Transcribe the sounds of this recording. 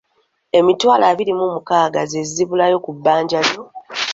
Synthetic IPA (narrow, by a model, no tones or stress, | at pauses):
e̞mitwaːlaːβiɾimumukaːɡazeziβulajo̞kubːaːɲɟaljo̞